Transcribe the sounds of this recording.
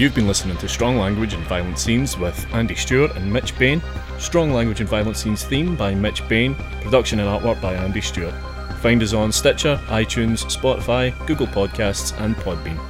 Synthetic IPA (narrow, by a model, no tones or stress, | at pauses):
jʉvbĩnlˠɪsnɪ̃ŋɪ̃ŋtʰʉstɹ̥ɔ̃ŋlˠãŋɡwɪd͡ʒə̃nvaɪəlˠə̃nsĩnzwɪð̥ãndist͡ʃʉəʔə̰̃nmɪt͡ʃb̥ẽn | stɹ̥ɔ̃ŋlˠãŋɡwɪd͡ʒɨ̃nvaɪlˠə̃nsĩnz̥θĩmbaɪmɪt͡ʃb̥ẽn | pʰɹ̥ədʌkʃə̃nə̃naʔwʔɜ˞k̚b̥aɪãndist͡ʃʉəʔ | fãɪ̃ndəzn̩stɪt͡ʃə˞ʔaɪt͡ʃʰʉ̃nz̥spɔʔɪfaɪɡ̥ʉɡəl̩ˠpʰɔd̚kʰastsə̃npʰɔd̚bḭ̃n